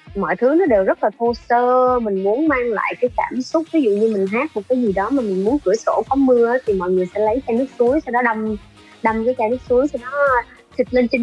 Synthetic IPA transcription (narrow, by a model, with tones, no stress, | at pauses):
mɔ̰˧˨jt̪ʰɨ˨˦nɔ˨˦ɗe˨˩wzə˦˥t̚laː˨˩t̪ʰo˧səː˧mï˨˩ŋ̟mu˨˦ənmaː˧ŋla̰ː˧˨jkaː˨˦jkaː˧˩msʊ˦˥k͡p̚vi˨˦zṵ˧˨ɲɨ˧mï˨˩ŋ̟ɦaː˦˥k̚mo˨˩t̚kaː˨˦jzi˨˩ɗɔ˨˦maː˨˩mï˨˩ŋ̟mu˨˦ənkɨ˧˩əso˧˩kɔ˨˦mɨ˧əʔjt̪ʰi˨˩mɔ̰˧˨jŋɨ˨˩əjsɛ̰˧˥lə˨˦jt͡ɕaː˧nɨ˦˥k̚su˨˦əjsa˧wɗɔ˨˦ɗə˧m | ɗə˧˩wmkaː˨˦jt͡ɕaː˧nɨ˦˥k̚su˨˦jsa˧wɗɔ˨˦ | t̪i˨˩t̚le˧nt͡ɕï˨˦